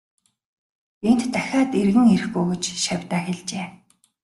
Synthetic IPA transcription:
en̥t̪ːæxʲaːt̪erɣɘ̆ŋer̆xɡuɣɵ̆t͡ɕʃawʲt̪aːxeɮt͡ɕeː

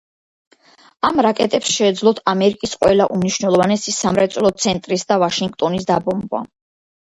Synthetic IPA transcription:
amɾakʼɛt̪ʼɛpsʃɛːd̪zlˠɔt̪ʰamɛɾikʼisqʼwɛlaʔumniʃwnɛlˠɔvanɛsisamɾɛt̪sʼlɔt̪sʰɛnt̪ʼɾisd̪avaʃiŋɡt̪ʼɔnisd̪abɔmba̰

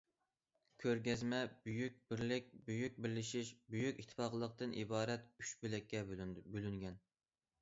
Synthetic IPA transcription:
kʲʰøɾɡʲɛzmɛbyjyk̚ʲbɪɾlɪk̚ʲbyjyk̚ʲbɪɾlɪʃiʃbyjykʲit̪ʰːɪ̥fɑqlˠəq̚t̪ɨnʔḭbɑːɾɛt̪yʃbɪlɛkʲʰːɛbylyŋɡʲɛn

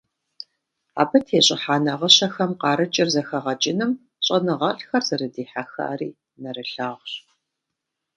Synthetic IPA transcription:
a̰ːbɐtʰeːɕʼɪħaːnɐʁəɕɐxɐmqɑːɾɨt͡ʃʼɪrzɐxɐʁɐt͡ʃʼɪnɨm | ɕʼɐnɨʁɐɬxɐrzɐrɨdiːħaxɐ̰arḭː | nɐɾɨɬaːʁɕ

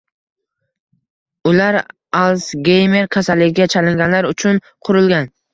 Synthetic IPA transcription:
ʊlaɾ | alˠsɡʲejme̞ɾkʲʰasalːɪɡʲɪɡʲat͡ʃʰalɪŋɡʲanlaɾʊt͡ʃʰʊn | qʰʊɾɪlɡʲan

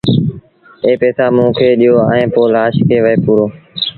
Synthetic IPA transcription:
eːpeːsaːmũːkʰeːɗijoːə̰̃ẽːpoːlaːʃkʰeːʋəeːpuːɾoː

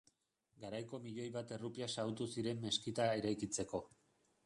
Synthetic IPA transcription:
ɡaɾajko̞miʎo̞jβat̪e̞rupiasawt̪usiɾe̞mːe̞skit̪ae̞ɾajkit͡se̞ko̞

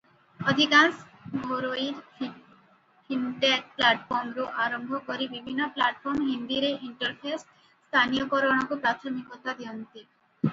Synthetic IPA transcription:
od̪ʱikans | bʱoɾoiɾ | kʰinɖeɾplaʈfoɾmɾoʔaɾombʱokoɾibibʱinːoplaʈfoɾmɦind̪iɾeʔiɳʈoɾfesː | t̪ʰanijokɔɾonoɡopɾat̪ʰomikot̪ad̪iont̪i

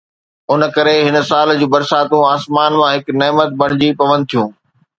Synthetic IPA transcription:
ʊn̆kɐɾeɦɪn̆saːld͡ʑuːbɐɾsaːt̪ũaːsmaːnmãɦɪknɛːmət̪̚bɐɽ̃ɪd͡ʑipɐʋə̃nd̪̚t̪ʰijũː

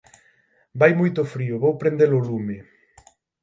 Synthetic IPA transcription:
bajmujt̪ʊfɾiʊβowpɾend̪elʊlumɪ

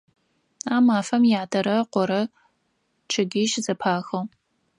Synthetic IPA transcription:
aːmaːfɐmjaːdʰɐɾɐqʷɔɾɐ | ʈ͡ʂʰɨɡɪʃzɐpʰaːxɐw

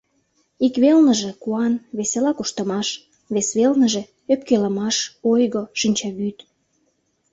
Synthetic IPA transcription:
ikβelnə̆ʒekuɑnβeselɑkuʃt̪ə̆mɑʃ | βesβelnəʒe̽ | øpkelə̆mɑʃojɣoʃinʲt͡ɕɑβyt̪

